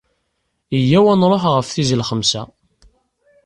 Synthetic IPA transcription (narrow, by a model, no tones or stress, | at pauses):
əjːæwænɾˤoħʁəfθizəlχəmsæ̰